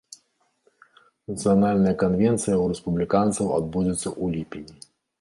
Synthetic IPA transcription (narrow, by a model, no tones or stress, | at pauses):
nɐt̪sɨjanalʲnɐjɐkanvʲɛnt̪sɨjɐuɾɛspublʲikant̪sɐwa̰d̪̚bud͡zʲɛt̪sːɐʔulʲipʲinʲi